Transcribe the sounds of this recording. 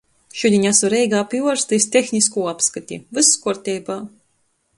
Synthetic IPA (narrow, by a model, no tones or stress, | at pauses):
ʃud̪ʲiɲʲasuɾɛjɡaːpjuɔɾst̪ɨsʲt̪ʲexnʲiskuːapskat̪ʲḭvɨsːkuɾt̪ʲɛːbaː